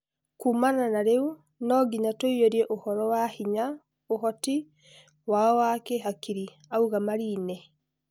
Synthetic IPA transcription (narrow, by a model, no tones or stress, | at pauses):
kumananaɾeu | nɔɡiɲatoioɾjɛʔohɔɾɔwahiɲa | ohɔti | wawakɛɦakiɾi | auɣamaɾiːnɛ